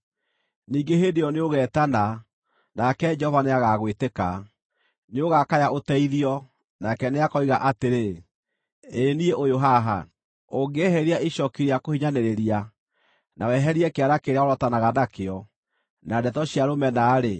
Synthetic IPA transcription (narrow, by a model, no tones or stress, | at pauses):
niːɡeɦedeɔneoɣɛːtana | nakɛd͡ʒɛɔvaneaɣaɣweteka | neoɣakajaotɛiðiɔ | nakɛneakɔiɣaʔateɾe | nieʔojoɦaɦa̰ | oɡeɦɛɾiaiɕɔkiɾeakohiɲaneɾeɾia | nʔawɛɦɛɾiɛkeaɾakeɾeaoɾɔtanaɣanakeɔ | nadɛtɔɕiaɾomɛnaɾe